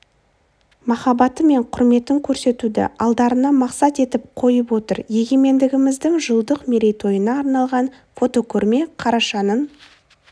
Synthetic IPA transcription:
mɑχɑbɑt̪əme̞ɴqʰʊɾme̞t̪ɪŋkʲʰɵɾse̞t̪ud̪ɪ̰ɑlˠd̪ɑɾənɑmɑqsɑt̪e̞t̪ɪp̚qʰo̞jəpwo̞t̪ə̰ɾje̞ɡʲe̞me̞nd̪ɪɡʲɪmɪzd̪ɪŋʒəlˠd̪əqme̞ɾe̞jt̪ʰo̞jənɑːɾnɑlˠʁɑn | fo̞t̪o̞kʲʰɵɾme̞qʰɑɾɑʃɑnən

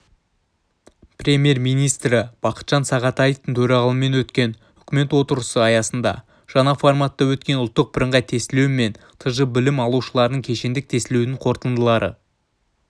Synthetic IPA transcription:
prʲe̞mʲje̞rmijnijst̪ɾɪb̥ɑqə̥t̪ʒ̥ɑnsɑʁɑt̪ɑjəft̪əŋt̪ʰɵɾɑʁɑlˠəme̞nwɵt̪kʲe̞n | ʏkʲɪme̞t̪wo̞t̪əɾəsəɑjɑsənd̪ɑ̰ | ʒ̥ɑnɑformɑt̪ːɑwɵt̪kʲe̞nʊlˠt̪ːəq̚bɪɾəɴʁɑjt̪ʰe̞st̪ɪlewme̞n | t̪ʰəʒəbɪlɪmɑlˠuʃəlˠɑɾd̪əɴkʲʰe̞ʃe̞nd̪ɪk̚t̪ʰe̞st̪ɪlewnɪɴqʰo̞ɾt̪ənd̪əlˠɑɾə̰

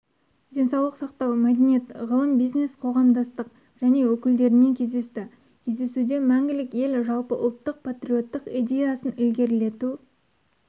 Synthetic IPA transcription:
d̪ʲe̞nsɑwlˠəqsɑqt̪ɑwmæd̪ʲe̞nijet̪ʁəlˠəmbijzne̞sqʰo̞ʁɑmd̪ɑst̪əq | ʒ̥æne̞wɵkʲɪld̪e̞ɾɪne̞ŋkʲʰe̞zd̪e̞st̪ɪ | kʲʰe̞zd̪e̞sud̪e̞mæŋɡʲɪlɪkʲe̞lʒɑlˠpəʔʊ̰lˠt̪ːəq̚pʰat̪ɾʲio̞t̪ːəqijd̪ʲe̞jasənɪlɡʲe̞ɾle̞t̪u

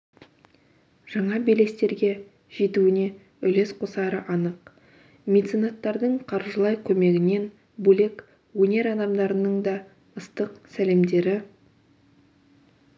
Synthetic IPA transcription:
ʒ̥ɑɴɑbele̞st̪e̞ɾɡʲe̞ | ʒ̥et̪uɪne̞ | ʏle̞sqʰosɑɾəʔɑnəq | mʲe̞t̪sinɑt̪ːɑɾd̪əɴqʰɑɾʒəlˠɑjkʲʰɵme̞ɡʲɪne̞n | bɵle̞k | wɵne̞ɾɑd̪ɑmd̪ɑɾənəɴd̪ɑ | əst̪əqsæle̞md̪e̞ɾɪ

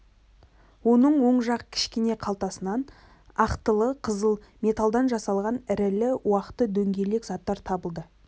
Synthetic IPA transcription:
wo̞nəɴwo̞ɴʒɑqəkʲʰɪ̥ʃkʲene̞qʰɑlˠt̪ɑsənɑn | ɑqt̪əlˠəqʰəzəlˠmʲe̞t̪alˠd̪ɑnʒɑsɑlˠʁɑnɪɾɪlɪuɑqət̪əd̪ɵŋɡʲe̞le̞kzɑt̪ːɑɾt̪ʰɑbəlˠd̪ə

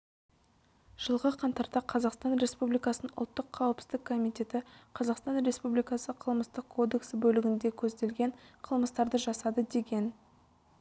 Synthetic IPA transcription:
ʒ̥əlˠʁəqʰɑnt̪ɑɾt̪ɑqʰɑzɑqst̪ɑnɾe̞spublijkɑsənənʊ̰lˠt̪ːəqʰːɑwəpsɪ̥zd̪ɪkʰːo̞mijt̪ʲe̞t̪ɪqʰɑzɑqst̪ɑnɾe̞spublijkɑsəqʰəlˠməst̪əqkʰːo̞d̪e̞ksbɵlɪɡʲɪnd̪e̞kʲʰɵzd̪e̞lɡʲe̞ɴqʰəlˠməst̪ɑɾd̪əʒɑsɑd̪əd̪e̞ɡʲe̞n

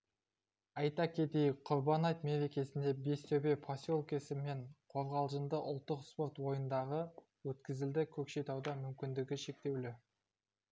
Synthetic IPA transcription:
ɑjt̪ɑkʲʰe̞d̪e̞jqʰʊɾbɑnɑjt̪me̞ɾe̞kʲe̞sɪnd̪e̞be̞st̪ɵwbe̞pʰasʲolˠkʲesɪme̞ɴqʰo̞ɾʁɑlˠʒənd̪əʔʊ̰lˠt̪ːəqspo̞rt̪wo̞jənd̪ɑʁə | wɵt̪kʲɪzɪld̪ɪkʲʰɵkʃe̞jt̪ɑwd̪ɑmʏmkʲɪnd̪ɪɡʲɪʃe̞k̚t̪e̞wlɪ

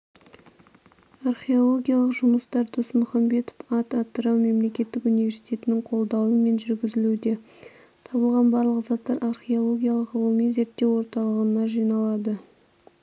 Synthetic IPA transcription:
arχeo̞lˠo̞ɡʲijalˠəqʒʊməst̪ɑɾd̪osmʊχɑmbe̞t̪o̥fɑt̪ɑt̪ːəɾɑwme̞mle̞kʲe̞t̪ːɪkunivʲe̞ɾsijt̪ʲʰe̞t̪ɪnɪŋqʰo̞lˠd̪ɑwəme̞nʒʏɾɡʲɪzɪlud̪e̞ | t̪ʰɑbəlˠʁɑnbɑɾlˠəqzɑt̪ːɑɾʔarχeo̞lˠo̞ɡʲijalˠəqəlˠumijze̞ɾt̪ːe̞wo̞ɾt̪ɑlˠəʁənɑʒijnɑlˠɑd̪ə

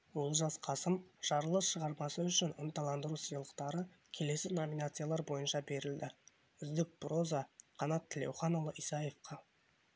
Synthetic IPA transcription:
wo̞lˠʒɑsqʰɑsəmʒ̥ɑɾəlˠəsʃəʁɑɾmɑsəʏʃɪnənt̪ɑlˠɑnd̪əɾusijəlˠəqt̪ɑɾə | kʲʰe̞le̞sɪno̞minat̪sɨjalˠɑɾbo̞jənʃɑbe̞ɾɪld̪ɪ | ʏzd̪ɪk̚pɾo̞zɑqʰɑnɑt̪ʰːɪlḛwχɑnlˠəʔijsɑjefqɑ

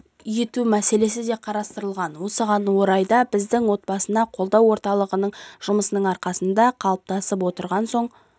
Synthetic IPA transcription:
je̞t̪umæse̞le̞sɪd̪e̞qʰɑɾɑst̪əɾəlˠʁɑnwo̞səʁɑnwo̞ɾɑjd̪ɑbɪzd̪ɪŋwo̞t̪̚bɑsənɑqʰo̞lˠd̪ɑwo̞ɾt̪ɑlˠəʁənəɴʒ̥ʊməsənəɴɑɾqɑsənd̪ɑqʰɑlˠəp̚t̪ɑsəp̬wo̞t̪əɾʁɑnso̞ɴ

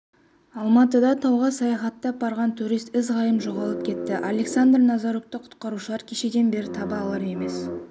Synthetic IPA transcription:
ɑlˠmɑt̪əd̪ɑt̪ʰɑwʁɑsɑjɑχɑt̪ːɑbɑɾʁɑnt̪ʰuɾijst̪ɪzʁɑjəmʒo̞ʁɑlˠəp̚kʲʰe̞t̪ːɪʔalʲe̞ksand̪rnɑzɑɾokt̪əqʰʊ̥t̪qɑɾuʃəlˠɑɾkʲʰeʃe̞d̪e̞nbe̞ɾɪt̪ʰɑbɑːlˠɑɾe̞me̞s

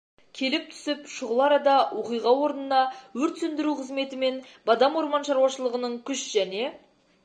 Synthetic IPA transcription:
kʲʰe̞lɪp̚t̪ʰʏ̥sɪpʃʊʁəlˠɑɾɑd̪ɑwʔoqijʁɑwo̞ɾənənɑwɵɾt̪sɵnd̪ɪɾuqʰəzme̞t̪ɪme̞nbɑd̪ɑmwo̞ɾmɑnʃɑɾwɑʃəlˠəʁənəɴkʲʰʏʃʒ̥æne̞

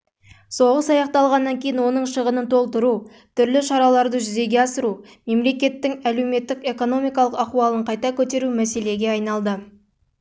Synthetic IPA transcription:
so̞ʁəsɑjɑqt̪ɑlˠʁɑnːɑŋkʲʰe̞jinwo̞nəɴʃəʁənənt̪ʰo̞lˠt̪əɾu | t̪ʰʏɾlɪʃɑɾɑlˠɑɾd̪əʒʏze̞ɡʲeɑsəɾu | me̞mle̞kʲe̞t̪ːɪŋæle̞wme̞t̪ːɪke̞ko̞no̞mijkɑlˠəqɑquɑlˠəɴqʰɑjt̪ɑkʲʰɵt̪e̞ɾumæse̞le̞ɡʲe̞ɑjnɑlˠd̪ə

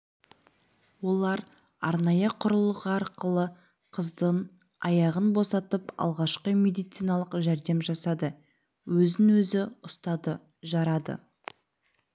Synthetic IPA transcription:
wo̞lˠɑɾ | ɑɾnɑjəqʰʊɾʊlˠəʁəɑɾqəlˠə | qʰəzd̪əɴ | ɑjɑʁənbo̞sɑt̪əpɑ̰lˠʁɑʃqəme̞d̪ijt̪sijnɑlˠəqʒæɾd̪e̞mʒɑsɑd̪ə | wɵzɪnwɵzɪʊst̪ɑd̪ə | ʒɑɾɑd̪ə̰

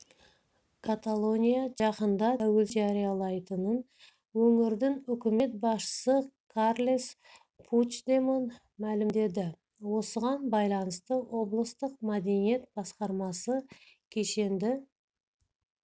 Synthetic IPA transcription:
kʰat̪alˠo̞nʲijaʒɑqənd̪ɑt̪ʰæwe̞lʒaɾijalˠɑjt̪ənən | wɵŋɪɾd̪ɪŋʏkʲɪme̞t̪̚bɑsʃə̥səkʰarlʲes | pʰut͡ʃd̪emon | mælɪmd̪e̞d̪ɪ | wo̞səʁɑnbɑjlˠɑnəst̪əwo̞blˠəst̪əqmæd̪e̞nije̞t̪̚bɑsqɑɾmɑsə | kʲʰe̞ʃe̞nd̪ɪ

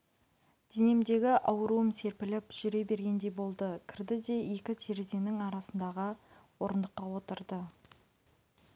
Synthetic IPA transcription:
d̪̥ene̞md̪e̞ɡʲɪʔɑwəɾuəmse̞ɾpɪlɪpʒ̥ʏɾe̞be̞ɾɡʲe̞nd̪e̞jbo̞lˠd̪əkʲʰɪɾd̪ɪd̪e̞je̞kʲɪt̪ʰeɾeze̞nɪŋɑɾɑsənd̪ɑʁəwo̞ɾənd̪əqːɑwo̞t̪əɾd̪ə

